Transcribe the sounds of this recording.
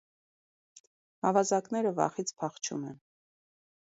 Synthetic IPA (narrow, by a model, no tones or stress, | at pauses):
hɑvɑzɑknɛɾəvɑ̰χit͡sʰpʰɑχt͡ʃʰṵmɛn